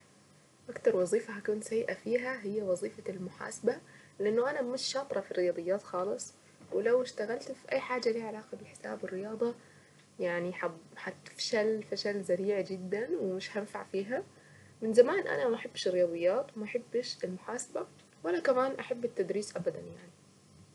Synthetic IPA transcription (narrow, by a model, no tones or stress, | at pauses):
ʔakt̪ɑɾˤwɑzˤiːfaɦakuːnsajːʔafiːɦaɦɪjːawɑzˤiːfɑlmʊħa̰ːsaba | lɪʔɪnːʊʔanamɪʃːɑːt̪ˤɾˤɑfirɪjɑːd̪ˤɨjːaːt̪xɑːlɨsˤ | wɪlawɪʃt̪aɣalt̪fiʔajːħaːd͡ʒːaliːʕalaːqɑbɪħɪ̥sa̰ːbɪrːɪjɑːd̪ˤɑ | jaʕniħaħat̪ɪ̥fʃalfaʃalzaɾiːʕd͡ʒɪd̪ːanwɪmɪʃhanfaʕfiːɦa | mɪnzamaːnʔa̰namaʔaħabːʃɪrːɪjɑːd̪ˤɨjːaːt̪wɪmaʔaħabːɪʃɪlmʊħaːsaba | walːakamaːnʔaħabːɪt̪ːad̪ɾiːsʔabad̪anjaʕni